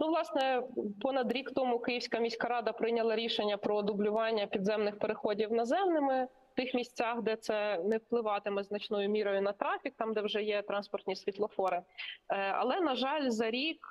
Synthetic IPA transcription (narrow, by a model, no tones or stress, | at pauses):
nuʋlˠɑsnɛpɔnɐd̪ɾʲikt̪ɔmʊkɪjiwsʲkɐmʲisʲkɐɾɑd̪ɐpɾɪnʲɐlˠɐɾʲiʃenʲːɐpɾɔːd̪ʊblʲʊʋɑnʲːɐpʲid̪zɛmnɪxpeɾexɔdʲiwnɐzɛmnɪmɪ | t̪ɪxmʲisʲtt͡sʲɑxd̪ɛt̪sɛnɛwplˠɪʋɑt̪ɪmɛznɐt͡ʃnɔjʊmʲiɾɔjʊnɐt̪ɾɑfʲik̚t̪ɑmd̪ɛwʒɛjɛt̪ɾɑnspɔrt̪ʲnʲisʲʋʲit̪lˠɔfɔɾɪ | ɐ̰lˠɛnɐʒɑlʲzɐɾʲik